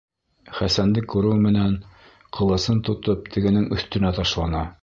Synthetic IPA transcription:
χæsænd̪ɘkːʉɾɘwmɘ̆næn | qʰɤ̆lˠɤ̆sɤnt̪ŏt̪op̚t̪ʰɘ̆ɡɘ̆nɘŋɵ̆θt̪ɵ̆næt̪ɑʃlˠɑnɑ

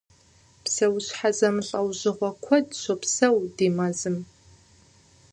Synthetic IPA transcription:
psɐwɕħazɐmɨɬʼɐwʑɪʁʷɔkʷʰɔdɕʷopsɐwdiːmɐzɨm

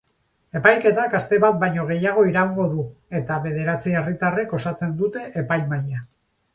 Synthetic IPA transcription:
e̞pajke̞t̪akast̪e̞βat̪̚bajɲo̞ɣ̞e̞jaɣ̞o̞iɾauŋɡo̞ðue̞t̪aβe̞ðe̞ɾat͡sie̞rit̪are̞ko̞sat͡se̞nd̪ut̪e̞ʔepajmaja

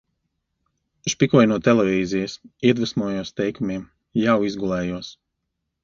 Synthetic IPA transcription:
ʃpikuɔjnuɔt̪ɛlɛvʲiːzijɐsiɛd̪vɨsmuɔjuɔst̪ɛjkumiɛm | jawizɡulˠɛːjuɔs

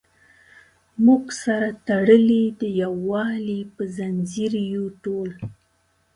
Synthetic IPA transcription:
muɡsaɾat̪aɽəlid̪əjawːɑlipəzanziɾjuʈol

